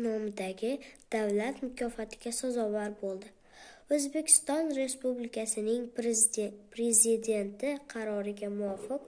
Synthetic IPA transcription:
nɒmɪd̪aɡʲɪd̪̥avlat̪mʊkʲʰɒfat̪ʰɪ̥ɡʲasazɒvaɾbolˠd̪ɪ | ɵzbe̞kʲʰɪ̥st̪ɒnɾe̞spublɪkʲʰasɪnɪŋ | pʰɾe̞zɪd̪e̞nt̪ʰɪqʰɑɾɒɾɪɡʲamʊɒfɪq

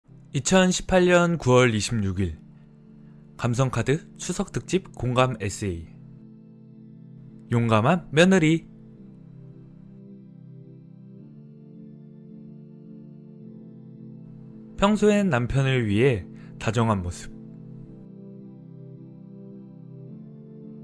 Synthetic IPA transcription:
it͡ɕʰʌnɕʰi̥pʰaʎɲʌnkuwʌɭiɕʰimɲuɡiɭ | kams̬ʰʌŋkʰadɯ | t͡ɕʰusʰʌk̚t͈ɯk̚t͡ɕ͈ip̚koŋɡame̞s͈ʰɯei | joŋɡamɦanːjʌnɯɾi | pʰjʌŋsʰoennːampʰjʌnɯɭɥiɦe̞ | tad͡ʑʌŋɦanmosʰɯ̥p̚

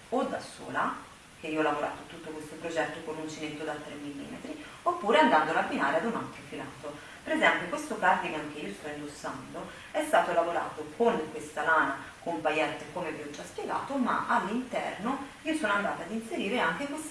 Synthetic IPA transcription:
od̪aso̰ːla | k̟eioɔlːavoɾa̰ːt̪ot̪ut̪ːokwest̪opɾod͡ʒɛt̪ːokonunt͡ʃinet̪ːod̪at̪ːɾemːilːḭːmḛt̪ɾi | opːuːɾeand̪and̪olabːinaːɾead̪una̰k̪ːofilaːt̪o | peɾezɛmpjokwest̪okart̪iɡamk̟eiːost̪ɔind̪osːand̪o | ɛst̪aːt̪olavoɾa̰ːt̪okʰoŋkwest̪alaːnakompajɛt̪ːekomeviɔd͡ʒːaspjeɡa̰ːt̪oma̰ʔalːint̪ɛ̰rno | iːosoːnoand̪aːt̪aːd̪inseɾiːɾeaŋk̟ekwes

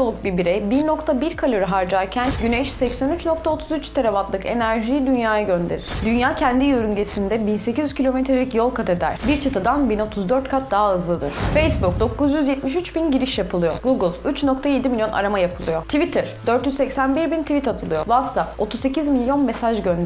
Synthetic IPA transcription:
olˠuk̚bibiɾejbiɾno̞kt̪ʰabiɾkʰalʲøɾyɦaɾd͡ʒaɾcʰænɟyneʃsɛcsænyt͡ʃno̞k̚t̪ʰao̞t̪ʰuzyt͡ʃt̪ʰeɾʲeβat̪lˠɯke̞̰næɾʒijd̪ynjaːjaɟø̞nd̪e̞ɾḭɾ̥d̪ynjaːcʰɛnd̪ijøɾynɟe̞sind̪ɛbinse̞cʰizyzcʰilʲo̞met̪ɾelʲcjo̞lˠkʰat̪ʰe̞d̪æ̰ɾ̥biɾt͡ʃʰat̪ʰad̪anbino̞t̪ʰuzd̪øɾt̪̚kʰat̪̚d̪aɦaɯzlˠad̪ɯ̰ɾ̥fejsbuk̚d̪o̞kʰuzjyzjɛt̪̚miʃ̬yt͡ʃbinɟiɾiʃjapʰɯlˠɯjo̰ɡuɡɯlˠyt͡ʃno̞k̚t̪ʰaje̞d̪imilʲjo̞nʔa̰ɾamajapʰɯlˠɯjo̞t̪ʰivit̪ʰɯɾ̥d̪øɾt̪jyzsɛcsænbiɾbint̪ʰivit̪at̪ʰɯlˠɯjo̞vat̪sap̚o̞t̪ʰuzse̞cizmilʲjo̞nme̞saʒɟønd̪

